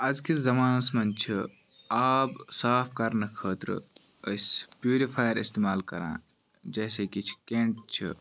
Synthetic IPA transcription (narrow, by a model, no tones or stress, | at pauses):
ɐzkizɐmaːnɐsmɐnt͡ʃʰi | aːbsaːpʰkɐɾnɨkʰəːt̪ɾ̰ | əspjuːɾipʰaːjəɾist̪eːmaːlkɐ̰ɾã̰ː | d͡ʒɐːsekit͡ʃʰkẽːɳʈt͡ʃʰḭ